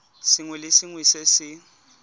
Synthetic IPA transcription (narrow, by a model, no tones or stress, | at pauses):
sɪŋwɛlɪsɪŋwisesɪ